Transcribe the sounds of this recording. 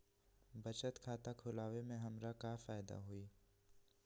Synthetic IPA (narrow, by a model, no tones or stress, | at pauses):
bɐt͡ʃət̪kʰaːt̪akʰʊlaːʋemẽɦɐmɾakafaːjd̪a̰ɦoiː